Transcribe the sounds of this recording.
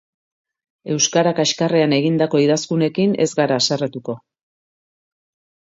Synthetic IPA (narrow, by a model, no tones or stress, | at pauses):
e̞wskaɾakaeʃkare̞ane̞ɣind̪ako̞iðaskune̞kine̞zɡaɾaːsaret̪uko̞